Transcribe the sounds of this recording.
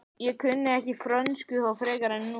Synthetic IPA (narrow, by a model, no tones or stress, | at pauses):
jɛkʰʏnːɪɛhcɪfɾœnskʏhawfɾɛːkaɾɛnːu